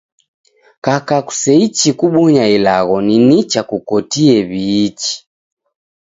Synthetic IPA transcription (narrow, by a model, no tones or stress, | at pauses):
kakaku̥sɛit͡ʃikuɓɔɲailaɣɔninit͡ʃakukɔtiɛβiːt͡ʃi̥